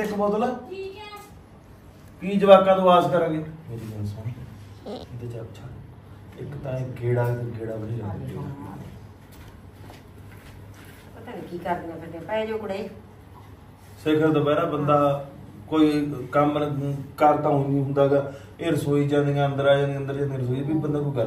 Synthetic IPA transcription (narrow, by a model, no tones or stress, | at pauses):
et̪obɔːt̪olaː | piːd͡ʒəʋaːkãːnũːaːzkəɾə̃ːɡeːmeːɾiːd͡ʒənsaːn | ɪd̪eːt͡ʃːəpːt͡ʃʰaː | ɪkt̪ãːeɡeːɽaːkɾɡeːɽaːbəliːd͡ʒãːnd̪ | ət̪ɛːnekiːkəɾd̪iãːpəd̪epɛd͡ʒoːkɽeː | sɪkʰəɾt̪oːpɛːɾaːbənd̪aː | koːiːkəmkəɾt̪ãːĩːɦʊ̃nd̪aːɡaː | eːɾəsoːiːd͡ʒãːnd̪eːɡaːənd̪əɾaːd͡ʒãːnd̪eːənd̪əɾd͡ʒãːd̪eɾəs̬oːibiːbənd̪aːk̬oiɡə